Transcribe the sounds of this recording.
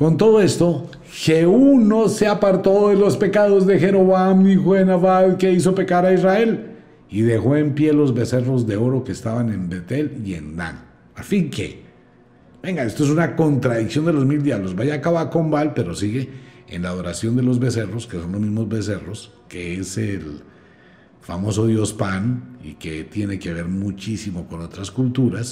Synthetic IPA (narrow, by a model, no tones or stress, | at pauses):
ko̞nt̪o̞ðo̞e̞st̪o | xe̞uno̞se̞apaɾt̪o̞ðe̞lo̞spe̞kaðo̞zðe̞xe̞ɾo̞βamixoenaβaðke̞is̬o̞pe̞kaɾaizrae̞l | iðe̞xo̞e̞mpje̞lo̞zβe̞se̞ro̞zðe̞o̞ɾoke̞ːst̪aβane̞mbe̞t̪e̞lie̞̰nd̪a̰n | afiŋke̞̰ | b̥e̞ŋɡae̞st̪oe̞sunako̞nt̪ɾaðiksjo̞nd̪e̞lo̞zmild̪jaβlozbajakaβako̞mbalpe̞ɾo̞siɣe̞̰ːnlaːðo̞ɾasjo̞nd̪e̞lo̞zβe̞se̞ro̞ske̞so̞nlo̞zmizmo̞zβe̞se̞ro̞s | ke̞esel | famo̞so̞ðjo̞spanḭke̞t̪je̞ne̞ke̞β̞e̞ɾmut͡ʃisimo̞ko̞no̞t̪ɾaskult̪uɾas